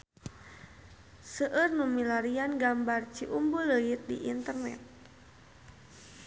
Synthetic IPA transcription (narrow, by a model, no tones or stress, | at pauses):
səʔərnumilaɾianɡambart͡ʃiʔumbuləit̪̚diʔint̪ərnɛ̰t̪̚